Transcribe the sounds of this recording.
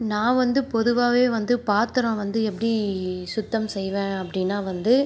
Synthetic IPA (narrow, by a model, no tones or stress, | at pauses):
nãːʋɐnd̪ɯpɔðɯʋaːʋeːʋɐnd̪ɯpaːɾt̪ɯɾõʋɐnd̪ɯɛpːɐɽisʊt̪ːɐmsɛjʋẽːɐpːɐɽɪnːaːʋɐnd̪ɯ